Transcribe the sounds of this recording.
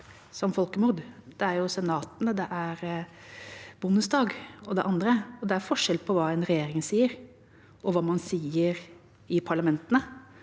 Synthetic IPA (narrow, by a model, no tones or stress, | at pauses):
sɔmfɔlˠkəmʊɾd̪d̪̥ɛæɾjʊsɛnɑːt̪ənəd̪ɛʔæɾ | bʊnːəsd̪ɑːɡɔd̪ɛʔɑnd̪ɾəɔd̪ɛæɾfɔʂɛlpʰɔʋɑːɛnɾɛjeːɾɪŋsiːəɾ | ʔɔʋɑːmɑnsiːəɾ | ɪpʰɑɭɑmɛnt̪ənə